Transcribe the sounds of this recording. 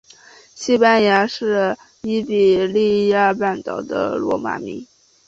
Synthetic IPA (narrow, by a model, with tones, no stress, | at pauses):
ɕi˥pa˥nja˧˥ʂɻ̩˥˩ | i˥pi˨˩li˥˧ja˥˧pa˥˩nt̪ɑ˨˩ʊd̪ə̰˦lwɔ˧˥ma̰˨˩mḭ˧˥ŋ